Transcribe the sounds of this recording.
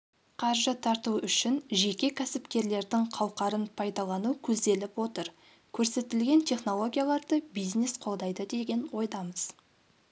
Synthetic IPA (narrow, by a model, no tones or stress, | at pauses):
qʰɑɾʒət̪ʰɑɾt̪uʏʃɪnʒe̞kʲe̞kʲʰæsɪpkʲe̞ɾle̞ɾd̪ɪŋqʰɑw̪ˠqɑɾənpʰɑjd̪ɑlˠɑnukʲʰɵzd̪e̞lɪpwo̞t̪əɾ | kʲʰɵɾse̞t̪ɪlɡʲe̞nt̪ʲʰe̞χno̞lˠo̞ɡʲijalˠɑɾd̪əbijzne̞sqʰo̞lˠd̪ɑjd̪əd̪e̞ɡʲe̞nwo̞jd̪ɑməz̥